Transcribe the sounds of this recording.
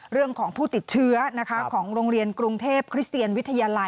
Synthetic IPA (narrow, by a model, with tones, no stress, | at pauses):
ɾɯ˥˩əŋkʰɔː˩˦ŋpʰuː˥˩t̪i˨˩t̪̚t͡ɕʰɯ˦˥ɐna˦˥kʰa˦˥kʰɔː˩˦ŋɾoː˧ŋɾi˧ənkɾu˧ŋt̪ʰeː˥˩p̚kʰɾi˦˥st̪i˧ənwi˦˥t̪ʰːa˧jaː˧la˧